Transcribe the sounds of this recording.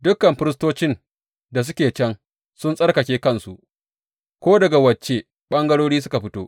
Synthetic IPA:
dʊ˦kːɐ˨mɸɪ˦ɾɪ˦s̬toː˦t͡ʃɪ˦n | da˨s̬ʊ˦kʲeː˨t͡ʃɐ˦ŋ | sʊ˦nsʼɐ˦rkɐ˨kʲeː˦kɐ˦˨nsu˨ʔ | kʷoː˦dɐ˨ɡa˨wɐ˨t͡ʃːe˦˨ | ɓɐ˦ŋɡɐ˦ɽoː˦ɽiː˦s̬ʊ˦ka˨ɸɪ˦toː˦ʔ

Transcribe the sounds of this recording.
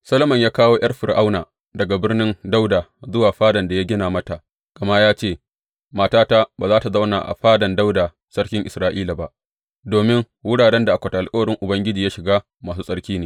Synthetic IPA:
sɐ˦lo˦mɐ˨ɲjaː˦kaː˦woː˦ʔj̰ʔɐ˦rɸɪ˨rʔa˦wnaː˨ | dɐ˨ɡa˨bɪ˦rnɪ˦nda˦wdaː˨zʊ˦waː˨ɸaː˦dɐ˨nda˨ja˦ɡʲɪ˦naː˨mɐ˦ta˨ʔ | ɡ̥ɐ˨ma˦jaː˦t͡ʃeː˦˨ | maː˦taː˦ta˦baː˨zaː˦ta˨za˦wna˨ʔa̰˨ɸaː˦dɐ˨nda˦wdaː˨ | sɐ˦ɽkʲɪ˦ŋʔɪ˨sɾaː˦ʔiː˦laː˨ba˦ʔ | doː˨mɪ˦ŋ | wʊ˦ɽaː˨ɽɛ˦nda˨ʔa˨kʷɐ˨ta˨ʔa˨lkʼɐ˦wɐ˨ɽɪ˦ŋʔʊ˨bɐ˦ŋɡʲɪ˦d͡ʒiː˨jaː˦ʃɪ˨ɡaː˦ | maː˨s̬uː˦sʼɐ˦ɽkʲiː˦neː˨

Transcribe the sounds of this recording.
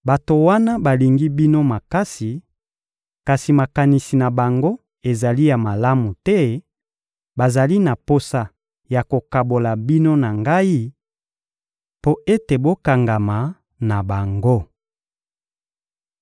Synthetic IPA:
ba˨to˨wa˦na˦ba˨li˨ŋɡi˦bi˦no˦ma˨ka˦si˨ | ka˨si˨ma˨ka˨ni˨si˨na˨ba˨ŋɡo˦ | e˨za˨li˦ja˨ma˨la˦mu˨tɛ˦ | ba˨za˨li˦na˨po˦sa˨ | ja˨ko˨ka˨bo˨la˨bi˦no˦na˨ŋɡa˦i˦ | po˦ʔe˦te˨bo˦ka˨ŋɡa˨ma˨ | na˨ba˨ŋɡo˦

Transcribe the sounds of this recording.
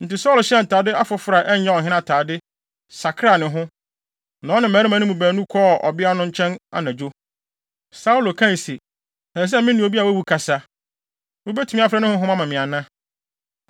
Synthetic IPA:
n̩˨tɪ˨sɔː˦lɕɛ˦˨n̩˨tʰaː˨dɪ˦a˦fɔ˨fʊ˨ɾa˨ʔɛ˦ɲ˦ɛ̃˦ɔ˨ɦɪ̃˦n˦ã˨tʰaː˨dɪ˦ | sa˨kʰɾa˦˨nɪ̃˨ɦʊ̃˦ | nã˨˦nɪ̃˨mæ̃˨˦ɾɪ˦mã˦nɪ̃˦mũ˨bæː˨nũ˦kʰɔ˦˨ʔɔ̰˨bɪ˦a˦nʊ̃˦ɲ̩˦t͡ɕʰɛ̃˦na̰˨nã˨d͡ʑo˦ | sa˦u˦lo˨kʰã˦n˨se˨ | sã˨s̬ɛ˦mɪ̃˦nĩ˨o˨bi˦a˨wæ˦wu˨kʰa˨sa˦ | o˦be˦tʰu˨mĩ˦a˦fɾɛ˦nɪ̃˦hʊ̃˦ɦʊ̃˦mã˦mã˨mɪ̃˨a˨nã˦

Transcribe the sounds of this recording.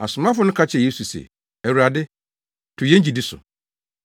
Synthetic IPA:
a̰˨sʊ˨mã˦fʊ˨˦nʊ̃˦kʰa˦t͡ɕʰɛ˨je˦su˨sḛ˨ | æ˨wu˨ɾa˨dɪ˦ | tʰʊ˨jɛ̃˦ɲ˦d͡ʑi˨dɪ˦sʊ̰˨

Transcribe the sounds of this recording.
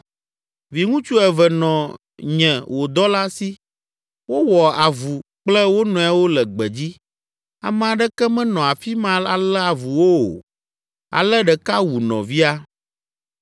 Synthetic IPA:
vi˨ŋũ˦t͡ʃu˦ɛ˨vɛ˨nɔ̃˨ | ɲɛ̃˨wo˨d̪ɔ˦la˦si˦ | wo˦wɔ˨a˨vu˨k͡plɛ˦wo˦nɔ̃˨˦ɛ˦wo˦lɛ˨ɡ͡bɛ˨d͡ʑi˦ | a̰˨m̃˦a˨ɖɛ˦kɛ˦mɛ̃˦nɔ̃˨a˨fi˦mã˦la̰˨lɛ˦a˨vu˨wo˦o̰˨ | a̰˨lɛ˦ɖɛ˨ka˦wu˨nɔ̰̃˨vi˦a˦

